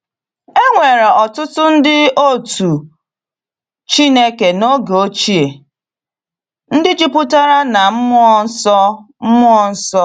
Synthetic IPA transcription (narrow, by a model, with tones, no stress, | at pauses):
e˦ŋʷe˨ɾe˨ɔ˨tʊ˦tʊ˦n̩˦dɪ˦o˦˨tu˨ | t͡ʃi˦ne˦ke˨no˦ɡo˦t͡ʃi˦e˨ | n̩˦dɪ˦d͡ʒi˦pʊ˦ta˦ɾa˦na˨m̩˦m˦ɔ˦sɔ˦ | m̩˦mʊ˦ɔ˦n̩˦sɔ˦